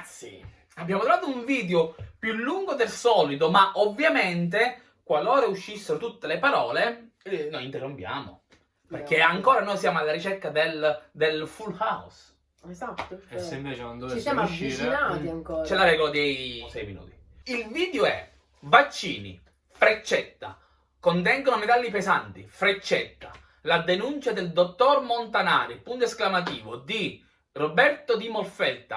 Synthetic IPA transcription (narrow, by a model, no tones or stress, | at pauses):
t̪sːjḭ | abːjaːmot̪ɾovaːt̪ouɱviːd̪eopjulːuŋɡod̪elsɔːlid̪omaʔovːjament̪e | kwalːoːɾauʃːisːeɾot̪ut̪ːelepaɾɔːle | nojint̪erːompja̰ːmo̰ | perkːeaŋkoːɾanoːjsjaːmoalːaɾit͡ʃɛkːad̪eld̪elfulhaus | ezat̪ːɛsɛmplit͡ʃkond̪ot͡ʃisjamit͡ʃnaiaŋkɔt͡ʃɛlaɾɛːɡolad̪isɛjminṵːt̪i̥ | ilviːd̪eoɛ̰ | vat͡ʃːiːnḭ | fɾet͡ʃːɛt̪ːa̰ | kont̪ɛŋɡonomet̪alːipezant̪ifɾet͡ʃːɛt̪ːa | lad̪enunt͡ʃad̪eld̪ot̪ːormont̪anaːɾipunt̪oesklamat̪̬iːvod̪i | rɔbɛrt̪od̪imolfɛlt̪a̰